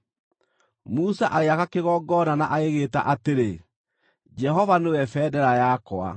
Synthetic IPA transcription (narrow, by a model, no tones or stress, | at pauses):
musaʔaɣeakakeɣɔɡɔnanaʔaɣeɣeːta̰ʔateɾe | d͡ʒɛɦɔvanewɛfɛːdɛɾajakwa̰